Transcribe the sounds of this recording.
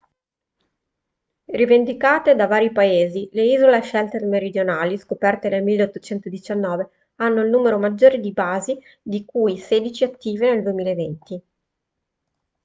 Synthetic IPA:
rivend̪ikaːt̪ed̪avaːɾjipaeːzileiːzoleʃɛlt̪ermeɾid̪jonaːliskopɛrt̪enelmilːeot̪ːot͡ʃɛnt̪od̪it͡ʃanːɔːve | anːoilnuːmeɾomad͡ʒːoːɾed̪ibaːzi | d̪ikujseːd̪it͡ʃiat̪ːiːveneld̪uemiːlaevent̪i

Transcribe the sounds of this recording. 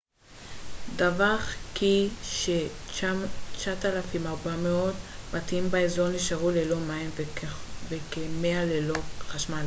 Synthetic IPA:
davaʁkiʃe | t͡ʃatalafimaʁbameo̞dbatimbaezo̞ʁniʃaʁulelo̞maim | vekemealeloχaʃmal

